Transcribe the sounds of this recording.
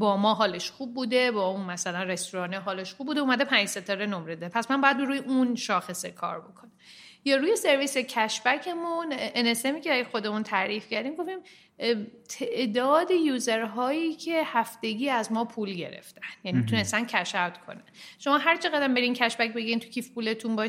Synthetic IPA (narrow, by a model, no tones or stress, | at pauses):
bɒːmɒːɦɒːleʃχub̚ːuːd̪e̞bɒːunmæsælænrest̪uɾɒːneɦɒːleʃχuːb̚ːuːd̪euːmæd̪epʰænd͡ʒset̪ʰɒːɾenomɾed̪epʰæsmænbɒːjæd̪bɾuːjeʔunʃɒːxe̞sekʰɒ̰ːɾbo̞kʰo̞næ | jɒːɾuːje̞se̞ɾviːse̞cʰæʃbæcʰe̞munʔene̞semiːcʰeæɾijxo̞d̪e̞munt̪ʰæɾiːfcæɾd̪iːmɡoft̪iːm | t̪ʰeʔd̪ɒːd̪ejuːze̞ɾɦɒːjiːcʰe̞hæft̪e̞ɡiːæzmɒːpʰuːlɟe̞̰ɾḛft̪ænjænit̪ʰune̞st̪æncʰæʃævt̪kʰo̰nænʃo̞mɒːɦæɾt͡ʃʰeɣæd̪æmbe̞ɾincʰæʃbæcbeɡæint̪ʰu̥cʰifpule̞t̪ʰunbːʃ